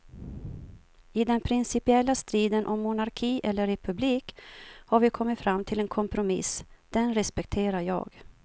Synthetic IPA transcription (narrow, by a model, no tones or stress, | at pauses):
ɪd̪ɛnpʰɾɪnsɪpɪɛlːast̪ɾiːd̪ənʔɔmːʊnaɾkʰiːʔɛlːəɾɛpʰɵbliːkhaɾvɪkʰɔmːɪt̪fɾamːt̪ʰɪlɛnkʰɔmpɾʊmɪ̰sd̪̥ɛnɾɛspɛk̚t̪ʰeːɾaɾjɑ̰ːɡ